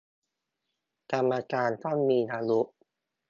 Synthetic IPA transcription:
ka˧mːa˧kaː˧nt̪ʰa˥˩nmiː˧naː˧lu˦˥ʔ

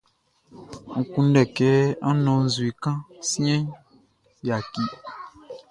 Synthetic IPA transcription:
ŋ̩˨kũ˦n˦ɖɛ˨kɛ˦ɔ˦nɔ̃˨˦zu˨i˨kã˦si˦ɛ̃˦ | ja˨ki˨

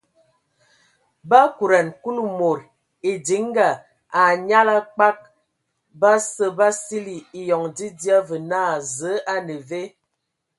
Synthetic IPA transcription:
ba˦ku˨ɾa˨nku˦lu˨mo˨ɾ | e˨di˨˦ŋ˦ɡa˨ | a˨ɲa˦la˦k͡pa˦k̚ | ba˦sə˦ba˦si˦li˨i˨jɔ˨ŋdi˦di˦a˦və˨naː˦˨zə˨˦a˦nə˨ve˦

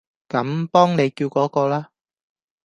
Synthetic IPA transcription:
kɐ˨˧˥mpɔː˥ŋne˨˧jkiː˧wkɔː˨˥kɔː˧laː˥

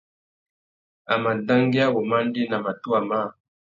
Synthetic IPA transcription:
a˨ma˨da˦ŋɡi˦a˦o˨ma˦n˦di˦na˨ma˨tu˦a˨ma˦˨

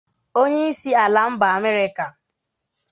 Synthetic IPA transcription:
o˦ɲe˦i˦si˦a˨la˨m̩˦ba˨a˨me˦ɾɪ˦ka˨

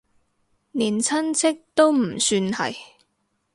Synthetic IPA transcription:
niː˨˩nt͡sʰɐ˥nt͡sʰɪ˥k̚t̪o˥wm̩˨˩syː˧nhɐ̰˨j

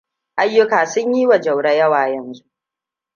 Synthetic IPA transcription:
ʔa˨jːʊ˦kaː˨sʊ˦ɲjiː˦wɐ˨d͡ʒɐ˨wɽɐ˦jɐ˦waː˨jɐ˨nzu˦ʔ

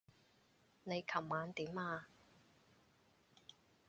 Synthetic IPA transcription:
ne˨˧jkʰɐ˨˩wmaː˨˧nt̪iː˨˥maː˧

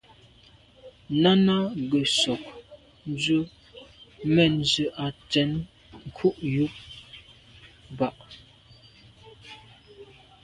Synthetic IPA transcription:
na˦na˦ɡə˨sɔ˨k̚ | n˦d͡ʒə˦ | mɛ˨n̩˨d͡ʒʉ˨ʔa˨t͡sɛ˨˦n | ŋ̩˨kʰu˦ʔju˦p̚ | ba˦˨ʔ

